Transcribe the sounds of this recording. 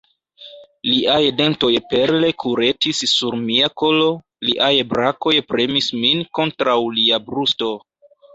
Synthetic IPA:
liʔajde̞nto̞jpe̞ɾle̞kʰuɾe̞tisːuɾmiako̞lo̞ | liʔajbɾako̞jpɾe̞misminko̞ntɾawliabɾusto̞

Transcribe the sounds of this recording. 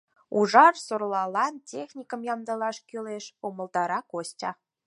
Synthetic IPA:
uʒɑrsorlˠɑlˠɑntʲexnʲikə̆mjɑmd̪ɑlˠɑʃkʲyleʃomə̆lˠd̪ɑɾɑkostʲɑ

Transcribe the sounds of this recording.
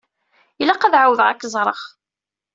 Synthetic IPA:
ilːæqæðʕawəðʁækːəzˤɾˤəχ

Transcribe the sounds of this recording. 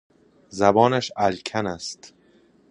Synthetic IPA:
zæbɒːnæʃælkʲʰænæst̪

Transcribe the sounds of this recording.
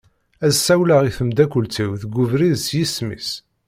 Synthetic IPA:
æzsæwlaʁiθəmd̪ækʷʊlt͡siwðɡuvɾiðsjismḭs

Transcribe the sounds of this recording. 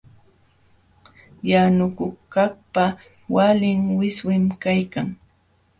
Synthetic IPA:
janʊkʊkaχpa | walɪŋwɪswɪmkajkaŋ

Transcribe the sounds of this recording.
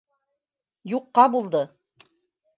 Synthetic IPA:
juqːɑbulˠd̪ɤ

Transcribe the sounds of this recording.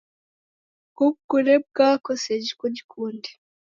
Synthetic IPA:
kubɡuɾeb̚ɡaːkosed͡ʒikoɟikʰuːnde̥

